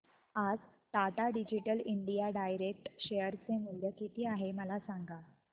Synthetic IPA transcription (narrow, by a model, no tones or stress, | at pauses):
ad͡zt̪at̪aɖid͡ʑiʈəliɳɖijaɖajɾek̚ʈɕejəɾt͡semul̤jəkit̪iːaɦeməlasaŋɡa